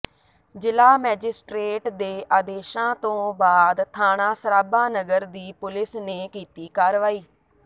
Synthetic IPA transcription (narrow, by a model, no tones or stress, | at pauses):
d͡ʒɪlaːmɛːd͡ʒɪsʈɾeːʈd̪eːʔaːd̪eːʃãːt̪õːbaːd̪t̪ʰaːnãːsəɾaːbãːnəɡəɾd̪iːpʊlɪsneːkiːt̪iːkaːɾʋaːiː